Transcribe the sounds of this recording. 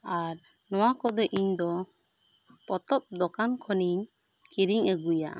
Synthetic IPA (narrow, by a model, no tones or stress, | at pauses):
aɾ | nɔwakɔd̪ɔʔiɲd̪ɔ | pɔt̪ɔp̚d̪ɔkankʰɔni | kiɾiŋəɡuja̰